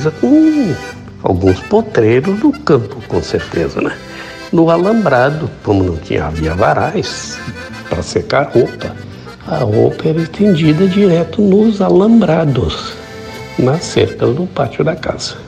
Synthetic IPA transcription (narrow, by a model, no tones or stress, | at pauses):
zɐkõ | a̰wɡũspot̪ɾejɾʊzd̪ʊkɐ̃mpʊkõ̰seɾt̪ezɐ̰nɛ | nʊalɐ̃mbɾad̪ʊkõmʊnɐ̃w̃t͡ʃḭ̃ɲɐ̰a̰viɐvaɾajs | pɾɐsekahopɐ | ɐhopɐɛɾɐɪst̪ẽnd͡ʒid̪ɐd͡ʒiɾɛt̪ʊnʊzalɐ̃mbɾad̪ʊs | nɐsːḛɾkɐzd̪ʊpat͡ʃʊd̪ɐka̰z̥ɐ